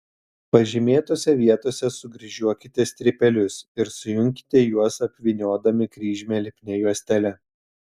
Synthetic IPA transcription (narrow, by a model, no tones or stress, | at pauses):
pɐʒʲɪmʲeːt̪oːsʲɛʋʲiɛt̪oːsʲɛsʊɡɾʲɪʒʲuɔkʲɪt̪ʲɛst̪ʲɾʲɪpʲɛlʲʊsɪɾsʊjʊŋʲkʲɪ̥t̪ʲɛjuɔsɐpʲʋʲɪnʲoːd̪ɐmʲɪkɾʲiːʒʲmʲeːlʲɪpʲnʲɛjuɔsʲt̪ʲɛlʲɛ